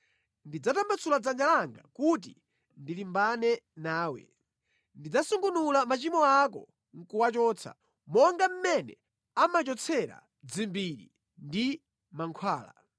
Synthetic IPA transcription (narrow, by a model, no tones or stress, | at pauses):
ndid͡zatambat͡sʰulad͡zand͡ʒalaŋɡakut̬ḭ | ndilimbanɛnaːwɛ̰ | ndid͡zasuŋɡunulamat͡ʃimɔak̬ɔ̰ | ŋ̩kuwat͡ʃɔːt͡sʰa̰ | mɔŋɡam̩mɛnɛ̰ | amat͡ʃɔt͡sʰɛɾa̰ | d͡zimbiɾḭ | ndi | maŋkʰwaːla̰